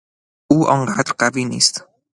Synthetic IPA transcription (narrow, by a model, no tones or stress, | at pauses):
ʔuːʔɒːŋɢaːd̪ɾɢæviːniːst̪